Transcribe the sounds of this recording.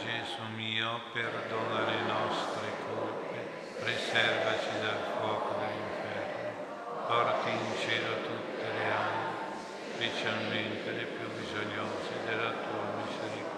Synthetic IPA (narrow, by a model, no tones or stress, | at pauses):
d͡ʒɛsumiːoperd̪oːnalenɔst̪ɾekʰolpe | risɛrvat͡ʃid̪alkwɔːkod̪eliɱfɛrno | pɔrt̪iint͡ʃeːlot̪ut̪ːeleanːi | spet͡ʃalment̪elepjubizonjoːzed̪elat̪uːamizeɾik